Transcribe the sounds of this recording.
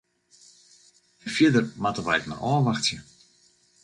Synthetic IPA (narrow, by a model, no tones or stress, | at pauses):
əfjɪdərmatəʋajkna̰ʔɔːʋaxtjə